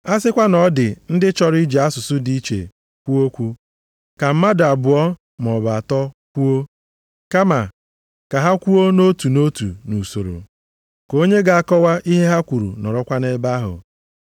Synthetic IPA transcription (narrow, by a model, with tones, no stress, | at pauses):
a˦sɪ˦kʷa˦nɔ˨˦dɪ˨n̩˦dɪ˦t͡ʃɔ˦ɾi˦d͡ʒe˨a˦sʊ˨sʊ˦di˦i˦t͡ʃḛ˨ | kʷu˦o˦kʷu˦ | ka˨m̩˦ma˦da˨bʊ˨ɔ˦ | m˨ɔ˨ba˨a˨tɔ˦kʷu˦o˦ | ka˦ma˨ | ka˨ɦa˦kʷu˦o˦no˦tu˨no˦tu˨nu˨so˨ɾo̰˨ | ko˦ɲe˦ɡa˨a˨kɔ˦wa˦ʔi˦ɦe˦ɦa˦kʷu˨ɾṵ˨nɔ̰˨ɾɔ˦kʷa˦ne˦ba˦ɦʊ̰˨